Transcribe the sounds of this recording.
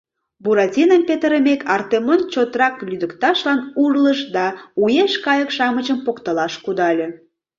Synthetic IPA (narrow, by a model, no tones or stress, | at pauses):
buɾɑtʲinəmpet̪əɾəmekʰɑrt̪emont͡ɕot̪rɾɑklʲyd̪əkt̪ɑʃlɑnurləʃd̪ɑujeʃkɑjəkʃɑmət͡ɕəmpokt̪əlɑʃkud̪ɑlʲe